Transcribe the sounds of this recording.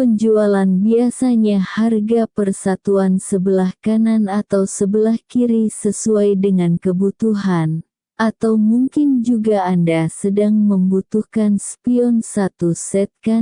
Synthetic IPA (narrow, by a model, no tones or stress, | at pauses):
pəɲd͡ʒualanbiasaɲaharɡapərsat̪uansəbəlahkananat̪awsəbəlahkiɾisəsuajdəŋankəbut̪uɦan | ʔat̪awmuŋkɪnd͡ʒuɡaːndasədaŋməmbut̪uhkanspiɔnsat̪usɛt̪̚ka